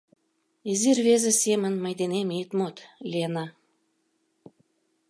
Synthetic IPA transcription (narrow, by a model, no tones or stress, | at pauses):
izirβezesemə̆nməjd̪enemit̪mot̪lʲienɑ